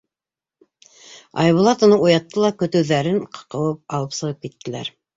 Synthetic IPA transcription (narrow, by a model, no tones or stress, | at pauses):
ɑ̰jβulˠɑt̪ŏnɤɴujɑt̪ːɤlˠɑkɵ̆t̪ɵ̆wðæɾɘɴqʰɤ̥̆qɤ̆wɤp̚ɑlˠɤpsɤ̆ʁɤp̚kit̪ːɘ̆læ̰ɾ